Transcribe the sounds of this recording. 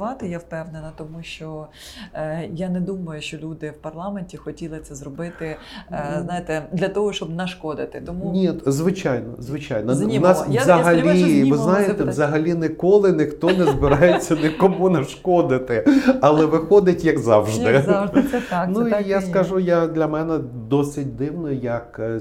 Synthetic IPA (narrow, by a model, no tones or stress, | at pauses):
ʋɑt̪ɪjawpɛʋnenɐt̪ɔmuʃt͡ʃɔ | janɛd̪umɐjʊʃt͡ʃɔlʲud̪ɪwpɐrlˠɑmenʲtʲixɔtʲilˠɪt̪sɛzrɔbɪt̪ɪznɑjet̪ɛd̪lʲɐt̪ɔɦɔʃt͡ʃɔbnɐʃkɔd̪ɪt̪ɪt̪ɔmunʲizʋɪt͡ʃɑjnɔ̰zʋɪt͡ʃɑjnɔnɑszɐɦɐlʲiʋɪznɑjet̪ɛʋzɐɦɐlʲinɪkɔlˠɪnɪxt̪ɔnɛzbɪɾɑjet͡sʲːɐnɪkɔmunɐʃkɔd̪ɪt̪ɪɐlˠɛʋɪxɔd̪ɪtʲjɐkzɑwʒd̪ɪd̪ɛt̪ɑnuijaskɐʒujad̪lʲɐmɛnɛ | d̪ɔsɪt̚ʲd̪ɪwnɔjɐk